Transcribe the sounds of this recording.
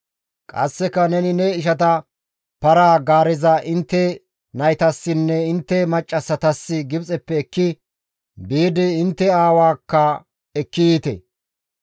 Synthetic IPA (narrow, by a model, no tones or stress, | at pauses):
kʼɐ̰sːɛkːɐnɛnɪnɛɪʃ̬ɐt̪ɐ | pɐɾaːɡaːɾɛzɐʔɪnt̪ːɛ | nɐjt̪ɐsːɪnːɛɪnt̪ːɛmɐt͡ʃʼːɐsːɐt̪ɐsːɪɡɪbt͡sʼɛpːɛːkːɪ | biːd̪ɪːnt̪ːɛaːwaːkːɐ | ɛkːiit̪ɛ̰